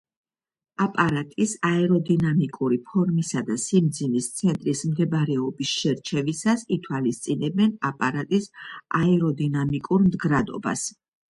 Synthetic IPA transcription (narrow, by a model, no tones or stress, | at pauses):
apʼaɾat̪ʼisaɛɾɔd̪inamikʼuɾipʰɔɾmisad̪asimd̪zinist̪sʰɛnt̪ʼɾismd̪ɛbaɾɛɔbisʃɛɾt͡ʃʰɛvisasit̪ʰwalist̪sʼinɛbɛnapʼaɾat̪ʼisaɛɾɔd̪inamikʼuɾmd̪ɡɾad̪ɔ̰ba̰s